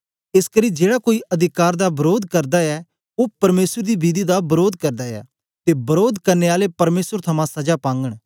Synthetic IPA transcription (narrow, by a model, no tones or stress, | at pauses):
ɪskəɾid͡ʒeːɽakoːiʔɐd̪ʱɪkaːɾd̪abɐɾoːd̪kɐɾd̪aɛ | opɐɾmeːsəɾd̪ibiːd̪id̪abɐɾoːd̪kɐɾd̪aɛ̰ː | t̪ebɐɾoːd̪kɐɾneaːlepɐɾmeːsəɾt̪ʰɐmãsɐd͡ʒapãːŋɡəɽ̃